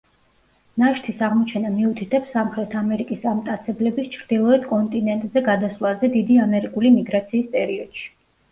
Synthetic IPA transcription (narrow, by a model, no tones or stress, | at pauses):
naʃt̪ʰisaʁmɔt͡ʃʰɛnamiut̪ʰit̪ʰɛpsamχɾɛt̪ʰamɛɾikʼisamt̪ʼat̪sʰɛblɛbist͡ʃʰɾd̪̥ilˠɔɛd̪kʼɔnt̪ʼinɛnt̪ʼzɛɡad̪asvlˠazɛd̪id̪iamɛɾikʼulimiɡɾat̪sʰiːsp̪ʼɛɾiɔd̪̥ʃi̥